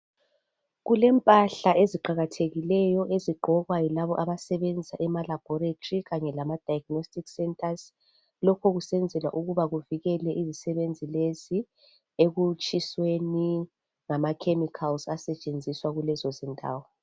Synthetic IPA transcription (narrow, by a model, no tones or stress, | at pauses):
ɣulɛmpʼaɬaeziǃaɣatʰeɣilɛjɔʔeziɡ͡ǃʱɔɣwajɔlaβɔʔaβasɛβend͡zʱisaʔɛmalab̥ʱɔɾetʰʼriɣaɲɛlamad̥ʱajaɡ̥nostʼiksɛntʰʼaz | lɔkʰɔɣusɛnd͡zʱɛlwa̰ʔuɣuβaɣuviɣɛlɛʔizisɛβend͡zʱilezi | eɣut͡ʃʼisweni | ŋamakʰemikʰalsasɛt͡ʃʼend͡zʱiswaɣulɛzɔzɛntʼa̰ːwɔ